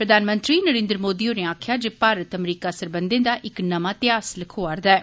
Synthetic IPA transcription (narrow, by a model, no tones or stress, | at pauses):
pɾəd̪aːnmə̃nt̪ɾiːnəɾẽːnd̪ɾəmoːd̪iːõːnẽaːkʰjaːd͡ʒeːpaːɾət̪əmɾiːkaːsəɾbənd̪ẽːd̪aːʔɪknəmãːt̪ɪaːsləkʰoːaːɾd̪aːɛː